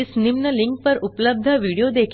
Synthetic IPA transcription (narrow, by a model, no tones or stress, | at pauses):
isnimnəliŋk̚pəɾupləb̚d̪ʱəʋiɽijod̪ekʰ